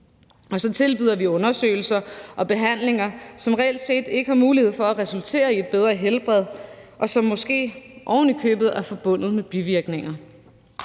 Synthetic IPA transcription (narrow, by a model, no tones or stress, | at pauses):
ɒ̽sɒ̽t͡sʰe̝lb̥yðˠɐʋiɔ̽nɐsø̰ːɪl̩sɐʔɒ̽b̥e̝ɦæn̰le̝ŋɐsɒ̽mʁɛel̰d̥se̝̰ːd̥e̝ɡ̥əhɑ̈muːlihe̝ð̰ˠfɒ̽æʁɛsult͡sʰe̝̰ːɐie̝d̥̚b̥eð̞ˠʁɐɦelb̥ʁɛð̞ˠʔɒ̽sɒ̽mːɒ̽sɡ̥e̝̰ːʔɒʊn̩ikʰø̰ːb̥ð̞̩ˠæɐfɒ̽b̥ɔ̽n̰ð̞̩ˠmeb̥iʋiɐɡ̥ne̝ŋɐ